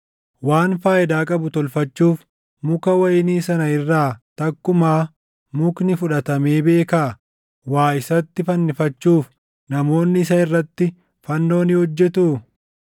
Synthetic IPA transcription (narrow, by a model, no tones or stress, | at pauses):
waːnfaːʔɪd̪aːkʼɐbʊt̪ɔlfɐt͡ʃːuːf | mʊkɐwɐjɪniːsɐnɐɪrːaːt̪ɐkːʊmaː | mʊknɪfʊᶑɐt̪ɐme̞ːbe̞ːka | waːɪsɐt̪ːɪfɐnːɪfɐt͡ʃːuːf | nɐmo̞ːnːɪɪs̬ɐɪrːɐt̪ːɪ | fɐnːo̞ːnɪhɔd͡ʒːɛt̪ʊ